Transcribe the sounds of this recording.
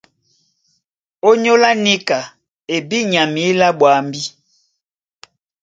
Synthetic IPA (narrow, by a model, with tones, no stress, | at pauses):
o˦ɲo˦la˦ni˦ka˨ | e˨bi˦ɲa˨mi˨˦la˦ɓwa˨mbi˦